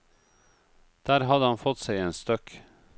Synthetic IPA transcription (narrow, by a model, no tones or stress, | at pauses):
d̪̥æːɾhɑd̪əhɑnfɔt̪sæɪeːnst̪œk